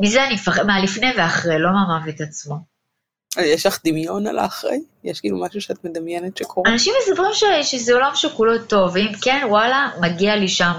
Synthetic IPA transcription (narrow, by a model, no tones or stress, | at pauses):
mizeanifaχmalifneveaχʁejlo̞maːmavet̪at͡smo | jɛʃlaχd̪imjo̞na̰la̰ːχʁḛjjɛʃkiːlumaʃuʃeat̪med̪ɐmjɛnetʃekʰoanaʃimːesabʁimʃeʃezeolamʃelkulo̞t̪o̞veimkenwalamaɡialiʃam